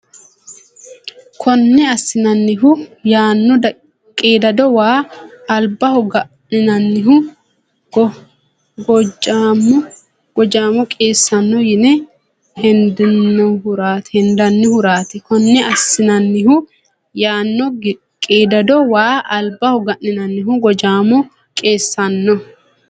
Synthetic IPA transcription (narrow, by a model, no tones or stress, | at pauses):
kʰɔnːɛɐsːɪnɐnːɪɦʊjaːnːɔd̪ɐ | kʼeːd̪ɐd̪ɔwaːɐlbːɐhʊɡɐʔnɪnɐnːɪɦʊ | ɡɔd͡ʒaːmːɔ | ɡ̥ɔd͡ʒaːmɔkʼeːsːɐnːɔjɪnɛ | hɛnd̪ɪnːɔhʊɾaːt̪hɛnd̪ɐnːɪhʊɾaːt̪ɪkɔnːɛɐsːɪnɐnːɪɦʊ | jaːnːɔ | kʼeːd̪ɐd̪ɔwaːɐlbɐhʊɡɐʔnːɪnɐnːɪɦʊɡɔd͡ʒaːmɔ | kʼeːsːɐnːɔ